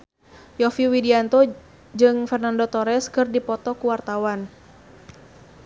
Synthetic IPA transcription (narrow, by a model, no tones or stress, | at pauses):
jɔfiwidiant̪ɔ | d͡ʒɨŋfɛrnandot̪ɔɾɛskɨrdipɔt̪ɔkuwart̪awan